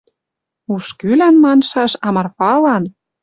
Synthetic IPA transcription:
uʃkylænmɑnʃɑʃɑmɑrpɑlɑn

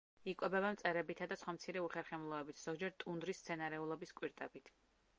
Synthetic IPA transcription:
ikʼwɛbɛbamt̪sʼɛɾɛbit̪ʰad̪asχwamt̪sʰiɾɛuχɛɾχɛmlˠɔɛbit̪ʰz̥ɔɡd͡ʒɛɾt̪ʼund̪ɾist̪sʰɛnaɾɛulˠɔbiskʼwiɾt̪ʼɛbit̪ʰ

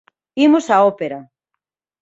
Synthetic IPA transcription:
imosaopeɾa

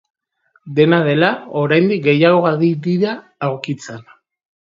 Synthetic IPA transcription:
d̪e̞naðe̞lao̞ɾajnd̪ik̚ɡe̞jaɣo̞ɣaðiɾiɾaː | wkit͡sen

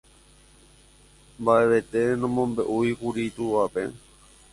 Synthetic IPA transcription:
mbaeʋet̪enõmõmbe̞ʔuikuɾit̪uʋapḛ

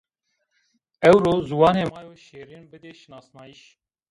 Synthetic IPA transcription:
ɛwɾoːzuwɑːneːmɑːɾoʃeːɾinbɨd̪eːʃnɑːsnɑːiʃ

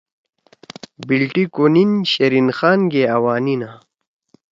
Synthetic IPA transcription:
bilʈikoninɕɐɾinxaːnɡeawaːnina

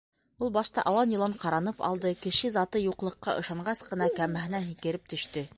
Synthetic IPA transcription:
ulˠbɑʃt̪ɑ̰ʔɑlˠɑnjɤ̆lˠɤɴqɑɾɑnɤpɑ̰lˠd̪ɤkɘ̆ʃɘzɑt̪ɤjuqlˠɤ̆qːɑ̰ʔɤ̆ʃɑɴɢɑsqɤ̆nɑkæmæɦɘ̆nænhikɘ̆ɾɘp̚t̪ɵ̆ʃt̪ɘ

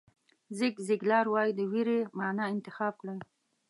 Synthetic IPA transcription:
zɪkzɪɡlɑɾwɑjid̪əwiɾemɑnɑɪnt̪ɪxɑb̚kɽaj

